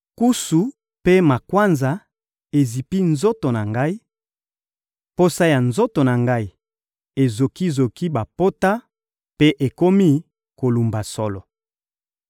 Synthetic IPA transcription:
ku˦su˨ | pe˦ma˨kwa˦nza˨ | e˨zi˨pi˦nzo˦to˨na˨ŋɡa˦i˦ | po˦sa˦ja˨nzo˦to˨na˨ŋɡa˦i˦ | e˨zo˨ki˦˨zo˨ki˦ba˨po˦ta˦ | pe˦ʔe˨ko˦mi˦ | ko˨lu˨mba˨sɔ̰˦lɔ˨

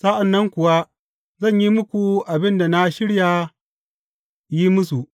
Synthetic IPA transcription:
sa˦ʔa˨nːɐ˦ŋkʷʊ˨wa˦ | zɐ˦˨ɲji˦mʊ˦kʷu˨ʔa˨bɪ˦nda˨na˦ʃɪ˦ɽja˨ | ji˦mʊ˦su˨

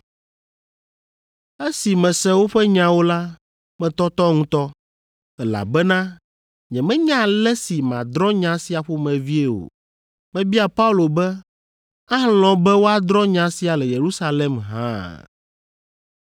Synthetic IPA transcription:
e˦si˨mɛ̃˨sɛ̃˦wo˦ɸɛ˦ɲã˨wo˦la˦ | mɛ̃˨t̪ɔ˦t̪ɔ˦ŋũ˦t̪ɔ˦ | ɛ˦la̰˨bɛ˦nã˦ | ɲɛ̃˨mɛ̃˦ɲã˦˨lɛ˦si˨mã̰˨d̪ɾɔ˦ɲã˦si˦a˨ɸo˦mɛ̃˨vi˦e˨o̰˨ | mɛ̃˨bi˦a˨pa˦u˦lo˨bɛ˦ | ã˦l̃ɔ̃˨bɛ˦wo˦a˦d̪ɾɔ˦ɲã˨˦si˦a˨lɛ˨je˨ɾu˦sa˦le˦mɦã̰˦

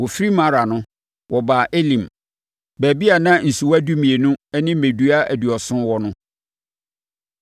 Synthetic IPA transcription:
wɔ˨fi˦ɾi˦mã˦ɾa˨nʊ̃˦ | wɔ˨baː˨ʔe˦lĩ˨m | bæː˨bi˦a˨nã˦n̩˨su˨wæ˦du˦mĩ˨e˨nʊ̃˦ɛ˦nɪ̃˦mẽ˨du˨˦a˦æ̰˨du˨ɔ˨sʊ̃˦nwɔ˦nʊ̃˦

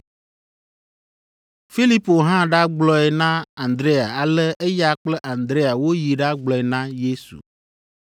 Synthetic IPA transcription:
fi˦li˦po˨ɦã˦ɖa˦ɡ͡blɔ˦ɛ˨nã˦a˨nd̪ɾe˦a˨a˨lɛ˦ʔe˦ja˦k͡plɛ˦ʔa˨nd̪ɾe˦a˨wo˦ji˨ɖa˦ɡ͡blɔ˨ɛ˨nã˦je˦sṵ˨

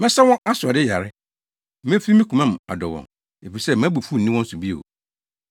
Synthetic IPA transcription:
mɛ̃˦sɛ˦wɔ̃˦nʔa˦sʊ˨a˨dɪ˦ja˨ɾɪ˦ | mẽ˦fi˦mĩ˦ku˨mã˦m˨a̰˨dɔ˨wɔ̰̃˨ | e˨fi˨i˨sɛ˦m˦æ̃˦bu˨fu˦˨n̩˨nĩ˦wɔ̃˦n̩˦su˨bi˦ḛ˨o̰˨

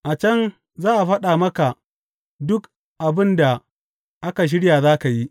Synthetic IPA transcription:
ʔa˨t͡ʃɐ˦n | zaː˦ʔa˨ɸɐ˦ɗaː˨mɐ˦ka˨ | dʊ˦k | ʔa˨bɪ˦nda˨ | ʔa˦ka˨ʃ̬ɪ˦ɽjaː˨zaː˦ka˨ji˦

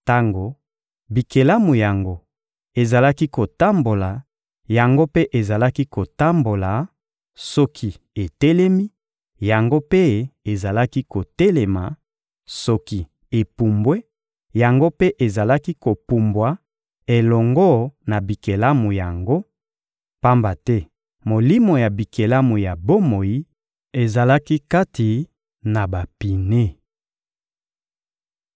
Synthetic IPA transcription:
ta˦ŋɡo˨ | bi˨ke˨la˦mu˨ja˨ŋɡo˦ | e˨za˨la˦ki˦ko˨ta˦mbo˨la˨ | ja˨ŋɡo˦pe˦ʔe˨za˨la˦ki˦ko˨ta˦mbo˨la˨ | sɔ˦kʰi˦ | e˨te˦lɛ˦mi˦ | ja˨ŋɡo˦pe˦e˨za˨la˦ki˦ko˨tɛ˦le˨ma˨ | sɔ˦ki˦ | e˨pu˨mbwe˦ | ja˨ŋɡo˦pe˦ʔe˨za˨la˦ki˦ko˨pu˨mbwa˨ | e˨lɔ˨ŋɡɔ˦na˨bi˨ke˨la˦mu˨ja˨ŋɡo˦ | pa˦mba˨tɛ˦ | mo˨li˦mo˨ja˨bi˨ke˨la˦mu˨ja˨bo˦mo˨ji˦ | e˨za˨la˦ki˦ka˦ti˨ | na˨ba˨pi˨ne˦

